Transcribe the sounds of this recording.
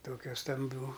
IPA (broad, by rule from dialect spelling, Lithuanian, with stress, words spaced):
ˈtoːkʲɛ stɐmʲˈbʲuː